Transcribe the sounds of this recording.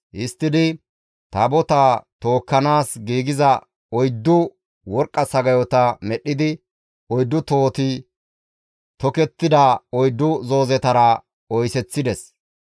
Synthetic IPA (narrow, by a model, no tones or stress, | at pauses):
ʔɪst̪ːɪd̪ɪ | t̪ɐbɔt̪at̪o̞ːkːɐnaːsɡiːɡɪzɐ | ɔjd̪ːʊ | wɔɾkʼːɐsɐɡɐjɔt̪ɐmɛɗːɪd̪ɪ | ɔjd̪ːʊt̪oːt̪ɪ | t̪ɔkɛt̪ːɪd̪ɐɔjd̪ːʊzo̞ːzɛt̪ɐɾɐ | ɔjsɛt͡sːɪd̪ɛs